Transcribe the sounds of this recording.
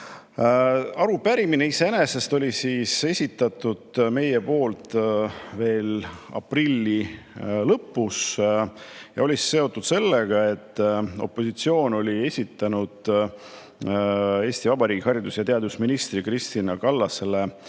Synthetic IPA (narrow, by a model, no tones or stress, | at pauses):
ɑɾupæɾimineise̞ene̞se̞st̪o̞lʲisiːse̞sʲit̪ːˑɑt̪ːˑud̪̥me̞je̞po̞ːlt̪ve̞ːlɑ̰prilːi | lɤpːus | jɑ̰o̞lʲisːe̞o̞t̪ːˑud̪̥se̞lːeɡ̥ɑe̞t̪ˑːo̞pːo̞sit̪sio̞ːno̞lʲie̞sʲit̪ːˑɑnud̪̥ | e̞ːst̪ivɑbɑɾiːɡ̥ihɑɾid̪usjɑt̪eɑd̪usminist̪rikrist̪inɑkɑlːɑse̞le